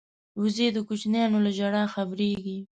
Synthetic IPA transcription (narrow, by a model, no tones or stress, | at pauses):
ʊzed̪əkut͡ʃnjɑnolaʒaɽaxabɾeɡi